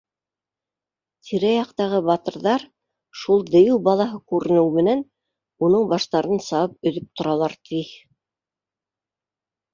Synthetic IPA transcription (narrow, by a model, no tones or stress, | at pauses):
t̪ʰiɾæjɑqt̪ɑʁɤbɑt̪ɤ̆ɾðɑɾ | ʃulˠd̪ɘ̆jɘwbɑlˠɑɦɤkʉɾɘ̆nɘwmɘ̆næn | unɤɴbɑʃt̪ɑɾɤnsɑwɤp̚ɵ̆ðɵp̚t̪ŏɾɑlˠɑɾt̪ʰi